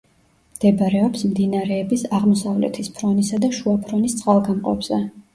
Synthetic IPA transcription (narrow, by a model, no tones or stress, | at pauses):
md̪̥ɛbɾɛɔpsmd̪inaɾɛːbisaʁmɔsavlɛ̰t̪ʰispʰɾɔnisad̪aʃuapʰɾɔnist̪sʼqʼalˠɡamqʼɔ̰bz̥ɛ